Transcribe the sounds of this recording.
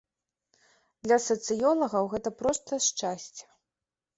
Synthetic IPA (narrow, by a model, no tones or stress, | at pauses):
d̪lʲɐsɐt̪sɨjɔlˠɐɣɐwɣɛt̪ɐpɾɔst̪ɐʂt͡ʂasʲt͡sʲɐ̥